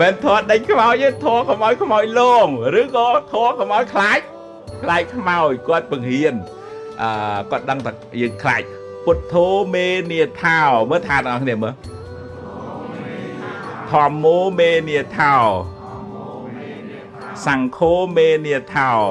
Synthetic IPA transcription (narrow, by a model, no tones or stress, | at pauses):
mɛːnt̪ʰoət̪̚ɗəɲkʰmaɔjəːŋt̪ʰɔəkomʔaɔwjkʰmaɔjlɔːŋrɨːkɔːt̪ʰɔːəkomʔaɔjkʰlaːc̚ | kʰlaːc̚kʰmaɔjkŏət̪̚pɨəŋhiən | ʔəːkŏət̪̚ɗəŋt̪ʰa | jəːŋkʰlaːc̚ | put̪ʰːoːmeːniət̪ʰaɔməːt̪ʰaːt̪əŋʔɑhkʰniəmə | t̪ʰŏəmːoːmeːniət̪ʰaɔ | saŋkʰoːmeːniət̪ʰaɔ